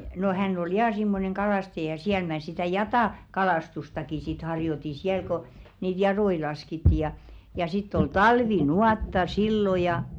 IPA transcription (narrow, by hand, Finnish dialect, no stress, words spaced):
no hænː ol jɑː simːoneŋ kɑlɑˑstɑjɑ siæl mæˑ sitæˑ jɑtɑˑ kɑlɑˑstustɑki sit hɑrjoti siæl ko niːt jɑɾoi lɑskitːi jɑ jɑ sitː ol tɑlʋinuɑˑtːɑ silːo jɑ